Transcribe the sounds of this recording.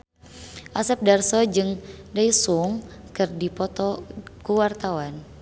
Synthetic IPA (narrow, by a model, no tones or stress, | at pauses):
ʔasɛp̚darsɔd͡ʒɨŋdaisuŋkɨrdipɔt̪ɔkuwart̪awan